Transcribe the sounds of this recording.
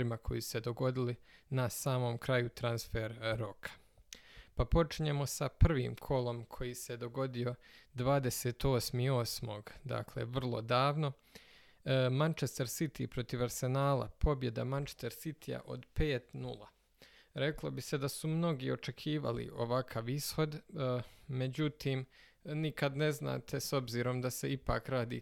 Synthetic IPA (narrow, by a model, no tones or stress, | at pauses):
ɾimakʰo̞jisu̥se̞d̪o̞ɡo̞d̪ilinasaːmo̞ːmkɾajut̪ɾansfeɾɾo̞kʰḁ | papo̞t͡ʃiɲe̞mo̞sapr̩ʋḭːmkʰo̞lˠo̞mkʰo̞jise̞d̪o̞ɡo̞d̪io̞d̪ʋaːd̪e̞seːt̪o̞ːsmio̞smo̞ɡd̪a̰kle̞̰ʋr̩lˠo̞̰d̪aːʋno̞ | mant͡ʃest̪eɾsit̪ipɾo̞t̪iʋaɾse̞naːlˠa̰pʰo̞bje̞d̪amant͡ʃe̥st̪eɾsit̪ʰija̰ʔo̞̰d̪peːt̪nulˠa̰ | ɾe̞klˠo̞bise̞d̪asumno̞ɡio̞t͡ʃe̞kʰiːʋa̰lḭʔo̞ʋakʰaʋisho̞d̪ | me̞d͡ʑut̪ʰiːm | nikad̪ne̞zna̰ːt̪ʰeso̞bziːɾo̞md̪ase̞ipa̰ːkɾaːd̪ḭː